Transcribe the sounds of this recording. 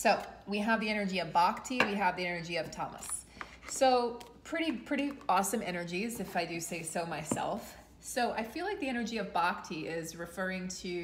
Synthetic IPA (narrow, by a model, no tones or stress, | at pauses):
soʊwiəvðiɛnə˞d͡ʒiʌvbɑk̚tʰiwiɨvðiɛnə˞d͡ʒiʌv̥tʰɑ̰mə̰sː | oʊpʰɹ̥ɪɾipʰɹ̥ɪɾiɔsɨ̃mɛ̰nə˞d͡ʒizɨfaɪdɨseɪsoʊmaɪsɛ̰lˠf | soʊʔaɪfilaɪk̚ðiɛñə˞d͡ʒiʌvbɑk̚tʰiʔɪzɹɨfɜ˞ɪ̃ŋtʰʉ